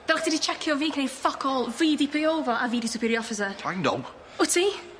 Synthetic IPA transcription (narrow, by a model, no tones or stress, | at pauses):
d̥ɛχd̥ɪdit͡ʃʰɛkʰjɔviːkʰnejfɔkʰɔlˠvɨːdipʰəjoːvɔʔaviːdisʊpʰiːɾjɔfɪs̬ətʰaŋdɔ̰ | ʊtʰi